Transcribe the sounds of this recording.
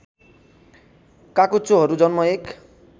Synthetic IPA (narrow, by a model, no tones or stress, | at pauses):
kakut͡ʃːoɦɔɾud͡ʒɔnmɔek